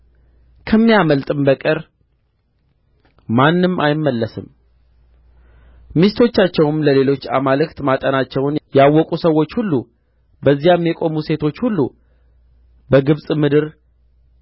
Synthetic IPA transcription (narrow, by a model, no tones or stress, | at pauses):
kʰəmːijaməlt̪ʼɨmbəkʼɨɾ | manːɨmːʔa̰jɪmːəlːəsɨ̰m | mist̪ʰo̞t͡ʃːat͡ʃːɛwɨmləle̞lo̞t͡ʃːamalɨkt̪mat̪ʼənat͡ʃːɛwnjawːɔkʼusəwːo̞t͡ʃːhulːu | bəzːijamːjɛkʼo̞muse̞t̪ʰo̞t͡ʃːhulːu | bəɡɨβsʼmɨd̪ɨɾ